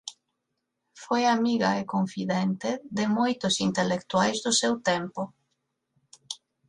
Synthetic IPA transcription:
fojamiɣaɪkoɱfiðɛnt̪eðɪmojt̪ʊsint̪elekt̪uajzðʊsewt̪ɛmpʊ

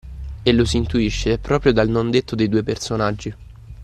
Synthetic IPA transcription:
elosiiːnt̪uiʃːepɾɔːpɾjod̪alnond̪et̪ːod̪ejd̪uːepersonad͡ʒːi

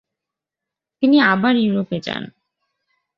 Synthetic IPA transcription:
t̪iniabaɾjuɾoped͡ʑa̰n

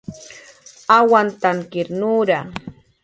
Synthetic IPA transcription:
awant̪aŋkɪɾnuːɾa

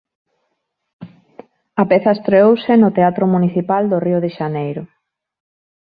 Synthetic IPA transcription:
ɐapeθɐest̪ɾeowsɪnot̪eat̪ɾʊmuniθipald̪oriʊðeʃanejɾʊ

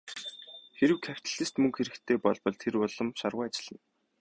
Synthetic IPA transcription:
xeɾɘ̆wkʰæw̥ʲt̪ə̆ɮɘ̆st̪mɵŋkxeɾɘ̆kt̪ʰeːpɔɮpɞ̆ɮt̪ʰeɾʊɮɞ̆mʃarʁʊːat͡ɕɪ̆ɮ̥ə̆n

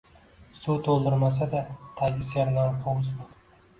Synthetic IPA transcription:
sot̪olˠd̪ɪɾmasad̪at̪ʰaɡʲɪsaɾnanqʰowz

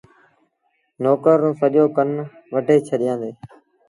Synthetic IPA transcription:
noːkəɾːõːsəʄoːkən | ʋəʈeːt͡ʃʰəɗɪjãːnd̪eː

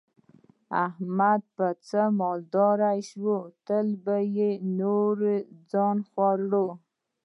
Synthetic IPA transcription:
ahmad̪̚pət͡səmɑld̪ɑɾajʃwot̪əlbajenoɾed͡zɑnxwaɾɽo

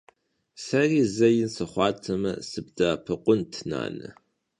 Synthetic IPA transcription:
sɐriːzɐjɪnsɨχʷɑːtʰɐmɐ̰sɨb̚daːpʰɐqʷʼʊntʰna̰ːnɨ̰

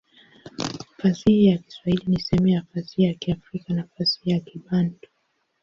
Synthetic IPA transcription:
fasihijaki̥swahilinisɛmɛafasihijakiafɾikanafasi̥hijakiɓandɔ

